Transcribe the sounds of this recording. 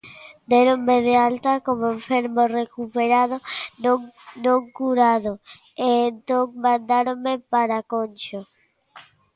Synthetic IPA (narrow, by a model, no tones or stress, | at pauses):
d̪eɾoŋmeð̞ealt̪akomoeɱfeɾmorekupeɾaðonoŋnõŋkuɾaðo | eːnt̪õŋmand̪aɾomepaɾakont͡ʃo